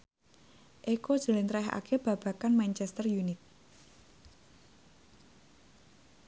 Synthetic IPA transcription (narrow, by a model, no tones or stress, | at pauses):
ʔekod̥ʒ̥ə̤lint̪ɾɛɦa̰kʰeb̥a̤b̥a̤kanmant͡ʃɛst̪ərjunɪt̪̚